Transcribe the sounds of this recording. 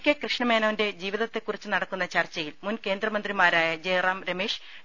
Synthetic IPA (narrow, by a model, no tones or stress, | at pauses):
kʲːekrɨʂɳɐme̞ːnɐʋinde̞d͡ʑiːʋiðɐt̪ːe̞kːurit͡ɕːunɐɽɐkːunːɐt͡ɕɐrt͡ɕːɐjilmunke̞ːnd̪rɐmɐnd̪rimaːɾaːjɐd͡ʑejraːmɾɐmeːʂ